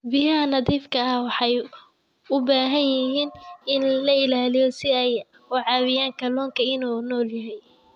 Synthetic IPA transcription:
bɪjɐɦɐnɐðiːfkʰɐɐwɑħɑj | ʊbaːɦɐnjɪɦiːnɪnllɐɪlaːlɪjɔsɪɛj | wʊʕɑːβɪjaːŋkʰɐlɔːŋkʰɐɪnuːnɔːljɐɦɛj

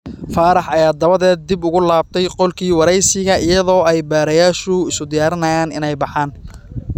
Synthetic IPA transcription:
faːɾɑħɐjaːd̪ɐβɐðɛːd̪̚d̪ɪbʊɣʊlaːb̚t̪ʰɛjqɔlkʰiːwɑɾɛjsɪɣɐʔɪjɐðɔːɛjbaːɾɐjaːʃʊɪsʊd̪ɪjaːɾɪnɐjaːnɪ̰nɛjbɑħaːn

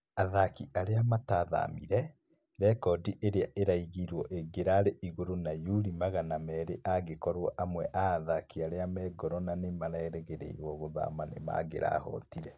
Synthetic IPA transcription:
aðakiʔaɾeamataða̰miɾɛ | ɾɛkɔdiʔeɾeaʔeɾaiɣiɾwɔʔeɡeɾaɾeʔiɣoɾonajuɾimaɣanamɛɾeʔaɣekɔɾwɔʔamwɛʔaːðakiaɾeamɛɡɔɾɔnanemaɾɛɛɾeɣeɾḛiɾwɔɣoða̰manḛma̰ɡeɾa̰hɔ̰tiɾɛ

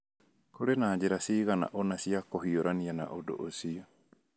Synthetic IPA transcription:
koɾenaːd͡ʑeɾasiːɣana̰ʔonasiakohioɾaniana̰ʔodo̰ʔosiɔ

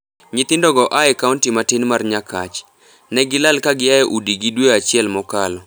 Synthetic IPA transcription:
ɲɪt̪ɪndɔɡɔʔaɛkauntimatɪnmarɲakat͡ʃ | nɛɡɪlalkaɡɪjaɛʔudiɡidweat͡ʃɪɛlmɔkalɔ

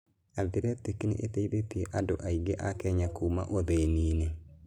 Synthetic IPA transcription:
aðiɾetekinḛʔeteiðetieʔadoʔaiɡeʔakɛɲakuːma̰ʔoðeːniːne

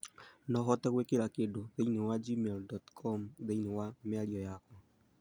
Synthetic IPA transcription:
nɔɦɔtɛɣwekeɾakedoðeinewad͡ʒimeldɔtkʰɔmðeinewameaɾiɔjakɔ

